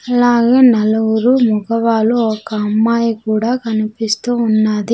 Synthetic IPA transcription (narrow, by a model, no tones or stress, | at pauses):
ɐlaːɡeːnɐluwuɾumuɡɐʋaːluɔkɐɐmːaːjikuːɽaːkɐnipist̪uːunːaːd̪i